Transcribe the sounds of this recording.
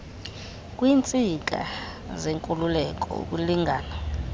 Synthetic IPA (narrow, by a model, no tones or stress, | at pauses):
kʼwiːnt͡sʼik̬ʼa̰ | zeŋkʼululɛk̬ʼɔ̰ṵk̬ʼuliŋɡʱaːna